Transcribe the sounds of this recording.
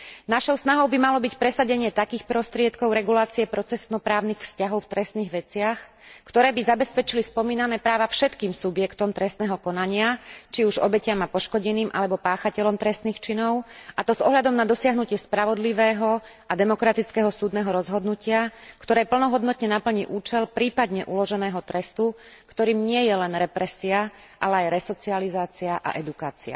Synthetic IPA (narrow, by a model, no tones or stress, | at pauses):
naʃɔʊsnaɦɔʊbimalɔbicpɾɛsaɟɛɲɪɛt̪akiːxpɾɔst̪ɾɪɛt̪kɔʊɾɛɡulaːt͡siɛpɾɔt͡sɛst̪nɔpɾaːʊnixfscaɦɔʊft̪ɾɛst̪niːɣʋɛt͡sɪax | kt̪ɔɾɛːbizabɛspɛt͡ʃilispɔmiːnanɛːpɾaːʋafʃɛt̪kiːmsubjɛkt̪ɔmt̪ɾɛst̪nɛːɦɔkɔnaɲɪat͡ʃiuʒɔ̰bɛcɪamapɔʃkɔɟɛniːmʔa̰lɛbɔpaːxacɛlɔmt̪ɾɛst̪niːxt͡ʃinɔʊat̪ɔzɔ̰ɦlad̪ɔmnad̪ɔsɪaɦnucɪɛspɾaʋɔd̪liʋɛːɦɔ | ad̪ɛmɔkɾat̪it͡skɛːɦɔsuːd̪nɛːɦɔɾɔzɦɔd̪nucɪakt̪ɔɾɛːpl̩nɔɦɔd̪nɔt̪ɲɛnapl̩ɲiʔuːt͡ʃɛlpɾiːpad̪ɲɛʔulɔʒɛnɛːɦɔt̪ɾɛst̪ukt̪ɔɾiːmɲɪɛjɛlɛnɾɛpɾɛsia | ʔalɛajɾɛsɔt͡sializaːt͡siaʔa̰ʔɛd̪ukaːt͡sia̰